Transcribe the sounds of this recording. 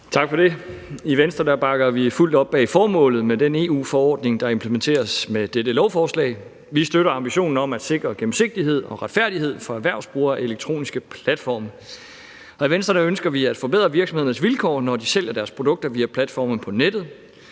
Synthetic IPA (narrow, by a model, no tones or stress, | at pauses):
t͡sʰɑ̈ɡ̥fɒd̥e̝iʋensd̥ʁɐd̥æb̥ɑ̈ɡ̥ɐʋiful̰d̥ɒ̽b̥ːɛ̰fɒːmɔ̰̽ːlð̩ˠmedene̝ːṵːfɒɒ̰ːd̥ne̝ŋd̥ɑ̈e̝mpʰləment͡sʰe̝̰ːɐsmed̥eɾəlɒʊfɒːslɛ̰ɪ | ʋisd̥øɾɐɑ̈mb̥iɕo̝̰ːn̩ɒ̽mæd̥se̝ɡ̥ʁɐɡ̥em̩se̝ɡ̥̚d̥iɦe̝ð̞̰ˠɒ̽ʁɑ̈d̥fæɐd̥ihe̝ð̞̰ˠfɒ̽æʋæɐ̰ʊsb̥ʁuːɐʔe̝leɡ̥̚t͡sʰʁo̝̰ːnisɡ̥əpʰlæd̥fɒ̰ːm | ɒ̽iʋensd̥ʁɐnæønsɡ̥ɐʋiæd̥fɒ̽b̥e̝ð̞̰ˠʁɐʋiɐɡsɒmhe̝ðˠn̩sʋilkʰɒ̰ːnɒd̥isel̰jɐd̥æɐspʰʁo̝d̥ɔ̽ɡ̥̚d̥ɐʋiːæpʰlæd̥fɒ̰ːmn̩pʰɒ̽ned̥ð̞̩ˠ